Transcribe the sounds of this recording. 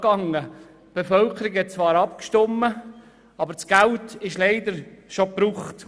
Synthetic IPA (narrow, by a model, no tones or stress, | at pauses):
ɡ̥ɑŋːə | b̥efœlkəɾɪkhɛt̚t͡svɑːɾɑpkʃtɔmːə | ɑbəɾt͡sɡ̥æltɪʃleɪd̪əɾʃopɾuːχt